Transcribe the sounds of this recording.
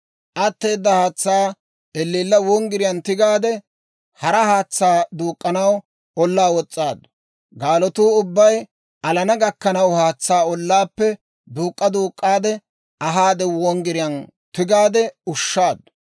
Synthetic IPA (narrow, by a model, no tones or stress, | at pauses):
ʔɐt̪ːe̞ːd̪ːɐhaːt͡sːaː | ɛlːiːlːɐwɔŋɡɪɾɪjɐnt̪ɪɡaːd̪ɛ | hɐɾɐhaːt͡sːaːd̪uːkʼːɐnɐw | ʔɔlːaːwɔt͡sʼːaːd̪ːʊ̥ | ɡaːlɔt̪uːʊbːɐj | ɐlɐnɐɡɐkːɐnɐwhaːt͡sːaːɔlːaːpːɛ | d̪uːkʼːɐd̪uːkʼːaːd̪ɛ | ɐɦaːd̪ɛwɔŋɡɪɾɪjɐn | t̪ɪɡaːd̪ɛʊʃːaːd̪ːʊ̥